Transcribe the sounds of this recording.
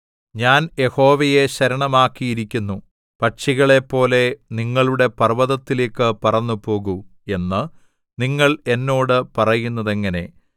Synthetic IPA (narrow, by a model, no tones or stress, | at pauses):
ɲaːnje̞ho̞ːʋɐje̞ɕɐɾɐɳɐmaːkːijiɾikʲːunːu | pɐʈʂiɣɐɭe̞pːo̞ːle̞niŋːɐɭuɽe̞pɐrʋɐðɐt̪ːileːkːɨpɐrɐɲːupo̞ːɣue̞nːɨ | niŋːɐɭe̞nːo̞ːɽɨpɐrɐjunːɐðe̞ŋːɐne̞